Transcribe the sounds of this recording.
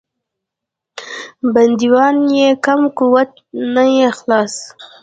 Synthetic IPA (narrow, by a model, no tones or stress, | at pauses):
band̪iwɑnjekamkuwat̪̚ | najexlɑs